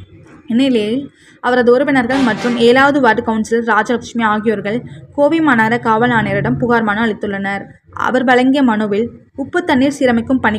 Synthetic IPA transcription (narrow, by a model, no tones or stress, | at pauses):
ɪnɪlɐjɪl | ɐʋɐɾɐðɯɔɾɯpɪnɐɾɣɐɭmɐʈrɯmeːɾaːʋɐðɯʋaːʈːɯkɐʊnsɐlɾaːd͡ʒɐlɐkʂmiaːɣɪjoːɾɣɐɭkoːʋimaːnaːɾɐkaːʋɐlaːneːɾɪɽɐmpʊɣaːɾmaːnɐɐɭɪt̪ːɯɭːɐnɐɾ | ʔɐ̰ʋɐɾbɐlɐŋɡɪjɐmɐnɯʋɪl | ʊpːɐt̪ːɐnːiːɾsiːɾɐmɐɪkːɯmpɐɳɪ